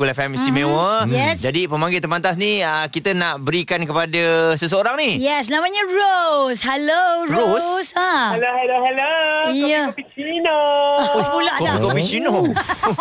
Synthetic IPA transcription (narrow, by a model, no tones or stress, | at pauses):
ulafɛmist̪imẽwəjɛsd͡ʒadipəmaŋɡɪlt̪əmant̪asniəkit̪ənaʔbəɾikankəpadəsəs̬əoɾaŋnijɛsnamaɲaɹoshɛloɹɾossahalohaloɦɛləiəpit͡ʃino | pulaʔkoikofit͡ʃinɔ